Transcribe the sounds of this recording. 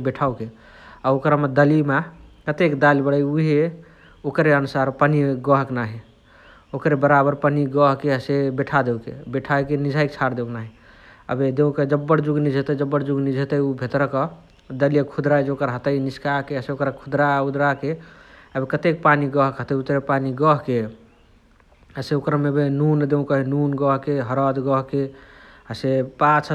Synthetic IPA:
beʈʰauke | aokɾamed̪əlimekət̪ekd̪alibəɽəjuɦe | okɾeənusaɾpəniɡəɦknaɦi | okɾebəɾabəɾpəniɡɔɦkeəsebeʈʰad̪ewkḛbeʈʰajkenid͡ʒʱajkt͡ʃʰaɾd̪euknaɦi | ə̰bed̪eũked͡ʒəbːəɽd͡ʒuɡnid͡ʒʱet̪əd͡ʒəbːəɽd͡ʒuɡnid͡ʒʱet̪əubʱet̪ɾəkə | d̪əlijəkʰud̪ɾad͡ʒeokəɾɦət̪əiniskakeəseokɾakʰud̪ɾaud̪ɾakeəbekət̪ekpaniɡəɦkət̪əut̪ɾepaniɡəɦke | əseokɾamebenund̪eũkəɦinunɡəɦkeɦəɾəd̪ɡəɦkeəsepat͡ʃʰ

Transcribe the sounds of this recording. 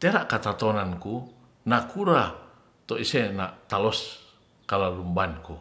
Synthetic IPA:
t̪eɾaʔkat̪at̪ɔnanku | nakuɾa | t̪ɔisenat̪alɔs | kalalumbanku

